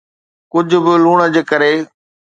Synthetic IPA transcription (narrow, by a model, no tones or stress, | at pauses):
kʊd͡ʑʱʊbɪluːɽ̃əd͡ʑekəɾeː